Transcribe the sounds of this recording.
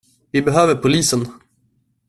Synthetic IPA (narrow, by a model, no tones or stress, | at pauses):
vɪbɛɦøːvəɾpʰʊliːsən